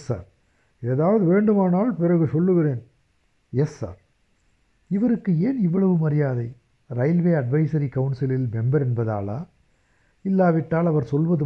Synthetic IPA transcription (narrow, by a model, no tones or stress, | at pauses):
sa̰ːɾ | eːðaːʋɐðɯʋeːɳɖɯmaːnaːlpɪrɐɣɯsɔlːɯɣɪɾeːn | jɛsːa̰ːɾ | ɪʋɐɾɯkːɯeːnɪʋːɐɭɐʋɯmɐɾɪjaːðɐɪ | ɾɐɪlʋeːɐɖʋɐɪsɐɾikɐʊnsɪlɪlmɛmbɐɾɛnbɐða̰ːla̰ː | ɪlːaːʋɪʈːaːlɐʋɐɾsɔlʋɐðɯ